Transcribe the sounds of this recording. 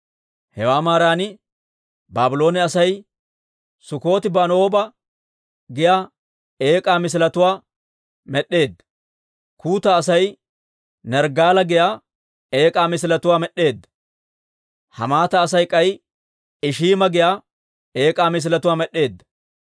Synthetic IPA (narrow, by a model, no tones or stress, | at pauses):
hɛwaːmaːɾaːnɪ | baːbɪlo̞ːnɛɐsɐj | sʊko̞ːt̪ɪbɐno̞ːbɐ | ɡɪjaː | e̞ːkʼaːmɪs̬lɐt̪ʊwaː | mɛɗːe̞ːd̪ːɐ | kuːt̪ɐːsɐj | nɛɾɡaːlɐɡɪjaː | e̞ːkʼaːmɪs̬ɪlɐt̪ʊwaːmɛɗːe̞ːd̪ːɐ | hɐ̰maːt̪ɐːs̬ɐjkʼɐj | ɪʃiːmɐɡɪjaː | e̞ːkʼaːmɪs̬ɪlɐt̪ʊwaːmɛɗːe̞ːd̪ːɐ̥